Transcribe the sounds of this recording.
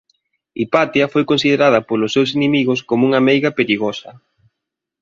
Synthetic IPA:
ipat̪iɐfojkonsið̞eɾað̞ɐpolʊsːews̬inemiɣʊskomouŋamejɣɐpeɾiɣosɐ

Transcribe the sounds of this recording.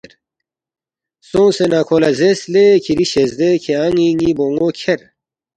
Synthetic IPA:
ɾ | sõːsenaːkʰoːlɐzeslekʰiɾiɕezd̪ekʰeaŋĩŋiboːŋɡoːkʰeɾ

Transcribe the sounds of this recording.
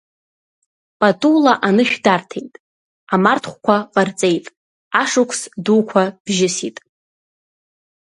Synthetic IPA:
pʼatʼulaʔanɨʃᶣdartʰe̞jtʼ | amartʰχʷkʷʰaqʼart͡sʼe̞jtʼ | aʂʊkʷʰsduːkʷʰab̥ʒɪsitʼ

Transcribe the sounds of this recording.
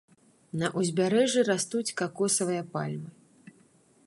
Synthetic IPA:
nɐʔuzʲbʲaɾɛʐɨɾast̪ut͡sʲkakɔsɐvɨjɐpalʲmɨ

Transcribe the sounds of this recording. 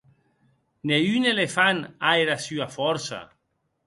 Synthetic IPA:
neynelefanaeɾasyafɔɾsa̰

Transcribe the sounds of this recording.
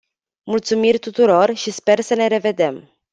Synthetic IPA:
mult̪sumirʲt̪ut̪uɾo̞rʃispe̞rsəne̞ɾe̞ve̞d̪e̞m

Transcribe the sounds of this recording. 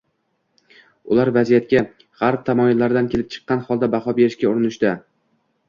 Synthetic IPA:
ʊlaɾvazijat̪̚kʲa | χaɾp̚t̪ʰamɒjɪlːaɾɪd̪ankʲelɪp̚t͡ʃʰɨ̥qːɑnχɒlˠd̪abaχɒbe̞ɾɪʃkʲaʊɾɪnɪʃd̪a

